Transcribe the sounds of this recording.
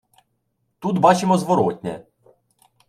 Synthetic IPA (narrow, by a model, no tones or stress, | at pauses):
t̪ud̪bɑt͡ʃɪmɔzʋɔɾɔt̪ʲnʲɛ̰